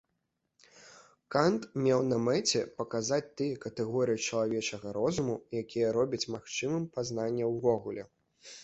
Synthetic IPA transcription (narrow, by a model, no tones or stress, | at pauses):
kant̪mʲɛwnɐmɛt͡sʲɛpɐkazat͡sʲt̪ɨjɐkɐt̪ɛɣɔɾɨjit͡ʂɐlˠavʲɛt͡ʂɐɣɐɾɔzumujakʲijɐɾɔbʲɐt͡sʲmaxt͡ʂɨmɨmpaznanʲːɐwvɔɣulʲɛ̰